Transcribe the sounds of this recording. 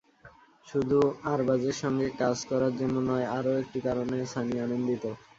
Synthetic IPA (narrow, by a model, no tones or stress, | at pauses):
ʃud̪ʱuaɾbad͡ʑeɾʃɔŋɡekad͡ʑkɔɾaɾd͡ʑenːonːɔeaɾoek̚ʈikaɾonesanianond̪it̪o